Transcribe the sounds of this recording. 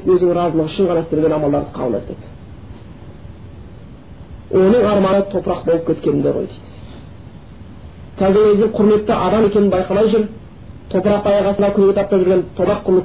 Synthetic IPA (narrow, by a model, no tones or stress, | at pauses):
kwɵzd̪ɪŋɾɑzəlˠəʁʏ̥ʃɪŋʁʰɑnɑst̪eɾɡʲe̞nɑmɑlˠd̪ɑɾd̪əqʰɑ̰bəlˠḛt̪ʰḛd̪ɪ | wʔo̞nəɴɑɾmɑnət̪ʰo̞pɾɑq̚bo̞lˠəpkʲʰe̞t̪kʲenɪnd̪ḛʁo̰jt̪ejd̪ | kʲʰæzɪɾwɵzd̪ɪŋqʰʊɾme̞t̪ːɪʔɑd̪ɑme̞kʲenɪnbɑjqɑmɑjʒʏɾ | t̪ʰo̞pɾɑq̚t̪ʰɑjɑʁɑsənd̪ɑkʲʰʏnɡʲet̪ʰɑp̚t̪ɑʒʏɾɡʲe̞nt̪ʰopɑqʰːʊɾlˠə